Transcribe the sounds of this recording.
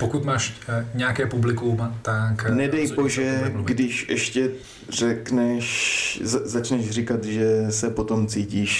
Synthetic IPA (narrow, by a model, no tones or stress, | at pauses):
pokut̪maːʃɲɛakɛːpublɪkumt̪aknɛdɛjboʒɛɡdɪʃʔɛʃcɛ | rɛknɛʃzazat͡ʃnɛʒr̝ikat̪ʒɛsɛpot̪o̞mt͡siːciːʃ